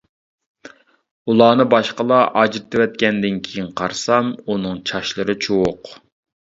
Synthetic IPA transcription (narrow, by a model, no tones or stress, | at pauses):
ulˠɑːnɨbɑʃqəlˠɑʔɑd͡ʒɾt̪ʰɨwɛt̪̚kʲɛnd̪ɪnkʲʰejinqʰɑɾsɑmunɨŋt͡ʃʰɑʃlˠɨɾɨt͡ʃʰowoq